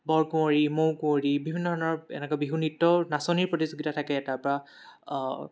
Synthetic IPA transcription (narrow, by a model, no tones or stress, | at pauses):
bɔɹkũɔɹimowkũɔɹibibʱinːɔdʱɔɔnɔɹɛ̰nɛkɔbiɦunitːɔnasɔniɹpɹotizoɡitatʰakɛːtapɔɹa